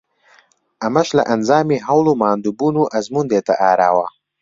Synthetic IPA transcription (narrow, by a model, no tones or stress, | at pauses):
amaʃla̰ʔanzɑːmiɦawlomɑːnd̪ubunuʔazmund̪et̪aʔaːɾa̰ːwa